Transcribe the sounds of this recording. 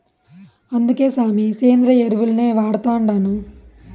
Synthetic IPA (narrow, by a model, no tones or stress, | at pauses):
ɐnd̪uke̞ːsaːmiseːnd̪ɾɐeɾiʋulɐneːʋaːɽut̪aːuɳɖaːnu